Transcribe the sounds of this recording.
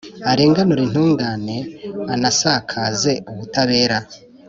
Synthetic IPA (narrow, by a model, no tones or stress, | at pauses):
aɾe̞ːŋɡanoɾin̥uːŋɡaːne̞anasakʰaːze̞uβutaβe̞ːɾa